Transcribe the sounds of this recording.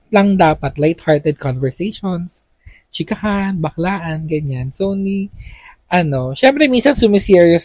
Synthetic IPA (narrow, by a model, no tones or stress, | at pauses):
lɐŋd̪aːpɐt̪lajt̪haɹt̪ɛd̪̚konvɛɹsejʃons | t͡ʃɪkɐhanbɐklaːʔɐnɡɐɲansoniʔɐno̞ʃɛmpɾɛminsɐnsʊmɪsiɹjos